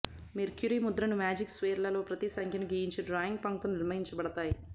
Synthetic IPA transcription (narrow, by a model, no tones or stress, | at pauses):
meɾkjuɾimud̪ɾɐnumaːd͡ʒiksʋeːɾlɐlo̞ːpɾɐt̪isɐŋkʰjɐnuɡijiɲt͡ʃiɖɾaːjiŋɡ̚pɐŋkt̪unniɾmɐɦiɲt͡ʃɐbɐɽɐt̪aːji